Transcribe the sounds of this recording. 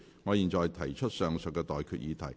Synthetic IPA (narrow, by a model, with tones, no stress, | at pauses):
ŋɔː˨˧jiː˨nt͡sɔː˨jt̪ʰɐ˨˩jt͡ʃʰɵ˥t̚sœː˨˧ŋsœ˨˩kːɛː˧t̪ɔː˨jkʰyː˧t̚jiː˨˧t̪ʰɐ˨˩j